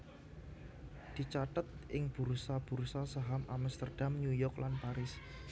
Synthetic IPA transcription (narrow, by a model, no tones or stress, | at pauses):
d̪̥i̤t͡ʃat̪ət̪̚ʔɪŋb̥ṳɾsab̥ṳɾsasaɦamʔamst̪ərd̥amnujɔklanpaɾɪs